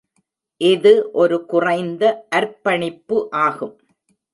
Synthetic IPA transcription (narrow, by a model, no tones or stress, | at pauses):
ʔɪðɯʔɔɾɯkʊrɐɪnd̪ɐʔɐɾpːɐɳɪpːɯʔaːɣɯm